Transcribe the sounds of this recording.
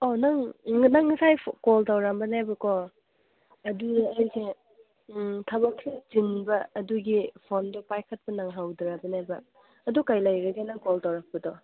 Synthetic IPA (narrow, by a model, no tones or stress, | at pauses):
onaŋnaŋːɐsajkoltawɾambɐnajbɐkɔ | ɐdudajse | tʰɐbɐk̚tʰid͡ʒinbɐɐduɡipʰondɔpajkʰɐt̚pɐnaŋɦawdɾabɐnajbɐ | ɐdukajlajɾɐɡenaŋkoltawɾak̚pɐdɔ